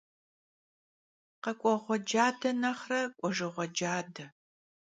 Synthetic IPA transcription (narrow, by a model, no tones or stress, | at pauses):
qɐkʷʼɔʁʷɔd͡ʒaːdɐnɐχrɐkʷʼɔʒɨʁʷɔd͡ʒaːdɐ